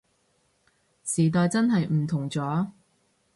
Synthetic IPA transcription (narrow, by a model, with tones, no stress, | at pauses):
siː˨˩t̪̬ɔː˨˧jt͡sɐ˥nɦɐ˨jm̩˨˩t̪ʰʊ˨˩ŋt͡sɔː˨˥